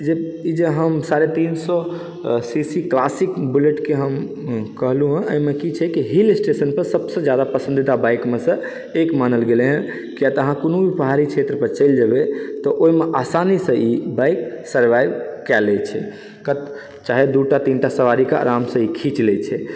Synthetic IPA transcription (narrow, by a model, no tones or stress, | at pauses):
d͡ʒeid͡ʒeɦəmsaɾet̪insɔ | sisiklasikbuleʈkeɦəm | kəɦluɦũəmekit͡ʃʰɛkiɦilsʈesənpəɾsəbsə̃d͡ʒjad̪apəsə̃nd̪id̪abajkmesə̃ | ekmanəlɡeleɦə̃ | kiat̪əɦãkonobʱipəɦaɾikt͡ʃʰet̪ɾəpəɾt͡ʃəjld͡ʒəbet̪ɔʔoimeʔasanisə̃ibajksəɾʋajbkɛlɛt͡ʃʰɛ̰ | kət̪ | t͡ʃaɦed̪uʈat̪inʈasəʋaɾikaa̰ɾamsə̃ikʰit͡ʃlɛt͡ʃʰɛ